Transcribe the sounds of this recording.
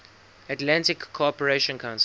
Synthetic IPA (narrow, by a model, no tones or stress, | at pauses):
atlãntɪkʰːoɔpəɹeʃə̃nkʰãʊ̃ns